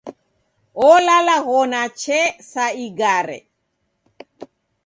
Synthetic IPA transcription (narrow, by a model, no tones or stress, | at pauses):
ɔlalaɣɔnat͡ʃɛsaiɡaɾɛ̰